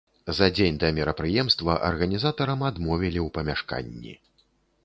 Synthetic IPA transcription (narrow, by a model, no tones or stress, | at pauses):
zɐd͡zʲenʲd̪ɐmʲɛɾɐpɾɨjɛmst̪vɐʔɐ̰rɣɐnʲizat̪ɐɾɐmad̪mɔvʲilʲiwpɐmʲaʂka̰nʲːḭ